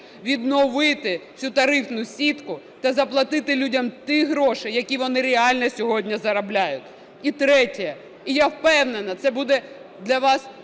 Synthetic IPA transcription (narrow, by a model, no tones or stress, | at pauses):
ʋʲid̪nɔʋɪt̪ɪsʲut̪ɐɾɪfnʊsʲit̪kʊ | t̪ɐzɐplˠɐt̪ɪt̪ɪlʲudʲɐmt̪ɪɦɾɔʃɪjɐkʲiʋɔnɪɾʲeɑlʲnɛsʲɔɦɔdʲnʲɐzɐɾɐblʲajʊtʲ | it̪ɾɛtʲɛjɐ | ijawpɛwnenɐt̪sɛbud̪ɛ | d̪lʲɐʋɑs